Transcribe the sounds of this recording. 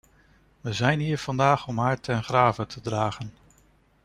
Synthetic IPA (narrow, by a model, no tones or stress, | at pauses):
ʋəzɛjnɦiːɹv̥ɑndaːχɔmɦaːɹtɛnχraːvətʰədraːχən